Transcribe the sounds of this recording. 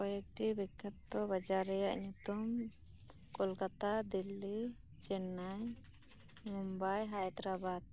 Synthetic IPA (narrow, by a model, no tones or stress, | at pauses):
kɔjɛk̚ʈibikʰːat̪ːɔbad͡ʒaɾɛjaʔɲut̪um | kɔlkat̪ad̪ilːi | t͡ʃɛnaj | mumbajɦajt̪ɾabad̪̚